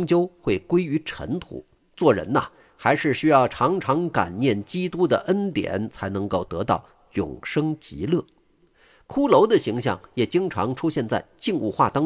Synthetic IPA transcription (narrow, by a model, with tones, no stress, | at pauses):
ŋt͡ɕjo˥ʊxwe˥˩ɪkwe˥ɪy˧˥ʈ͡ʂʰə̰˧˥nt̪ʰṵ˨˩˦ | t͡swɔ˥˩ɻə̰˧˥nə̰˨ | xa˧˥ɪʂɻ̩˥˩ɕy˥jɑ˥˩ʊʈ͡ʂʰɑ˧˥ŋʈ͡ʂʰɑ˧˥ŋka̰˨˩nnjɛ˥˩nt͡ɕi˥t̪u˥d̪ə̰˨˩ʔə˥nt̪jɛ̰˨˩˦nt͡sʰa˧˥ɪnɤ˧˥ŋko˥˩ʊt̪ɤ˧˥t̪ɑ˥˩ʊ | jʊ̰˨˩ŋʂɤ˥ŋt͡ɕḭ˧˥lɤ˥˩ | kʰu˥lo˧˥ʊd̪ə˨ɕi˧˥ŋɕ̬jɑ̰˥˩ŋjɛ˨˩t͡ɕi˥ŋʈ͡ʂʰɑ˧˥ŋʈ͡ʂʰu˥ɕjɛ˥˧nt͡sa˥˧ɪt͡ɕi˥˧ŋṵ˥˧xwa˥˩t̪ɑ˥